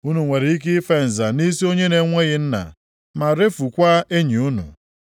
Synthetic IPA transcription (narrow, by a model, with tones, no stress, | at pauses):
u˦nu˨ŋʷe˨ɾi˨i˦k̬ɪ˦fe˨n̩˨za˨ni˦si˦o˦ɲe˦ne˨ŋʷe˦ɣɪ˦n̩˦na̰˨ | ma˨ɾe˦fu˨kʷa˦e˦ɲi˨u˦nṵ˨